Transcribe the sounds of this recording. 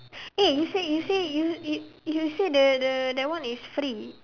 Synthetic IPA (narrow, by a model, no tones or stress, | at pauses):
ejusejusejujujusedədədəwãnisfɾi